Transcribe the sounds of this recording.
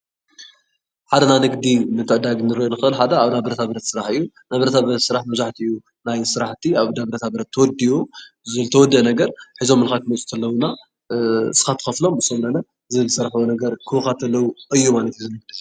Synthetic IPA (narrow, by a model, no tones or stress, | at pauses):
ħad̪ɐnanɨɡd̪inɨt̪ʰɨʕd̪aɡnɨɾojonɨxɨʔɨlħad̪ɐːβnabɐɾɐt̪ʰaβɐɾɐt̪sɨɾaħɨjːu | nabɐɾɐt̪ʰabɐɾɐt̪sɨɾaħmɐβzaħt̪ʰiɨjːu | najsɨɾaħt̪ʰiaβd̪ɐβɐɾɐt̪ʰabɐɾɐt̪ʰːɐwɔd̪iwu | zɨlt̪ʰɐwɔd̪ːɨʔnɐɡɐɾħizo̞mːɨlxak̪ɨmɐt͡sʼu̥t̪ʰɐlːɐwuna | sɨ̥kat̪ʰɨ̥xɐflo̞mɨsomlɐnɐ | zɨlɨsɐɾħwonɐɡɐɾkʰɨwxat̪ʰɐlːɐwuʔɨjːumalɐt̪juzɨnɨɡ̚d̪ɨ